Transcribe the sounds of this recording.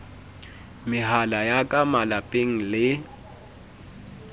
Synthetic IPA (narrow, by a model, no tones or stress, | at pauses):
mɪɦalajakʼamalapʼeŋ̩lɪ